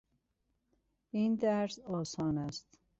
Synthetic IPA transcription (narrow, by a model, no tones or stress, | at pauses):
ind̪æɾsɒːsɔːnæst̪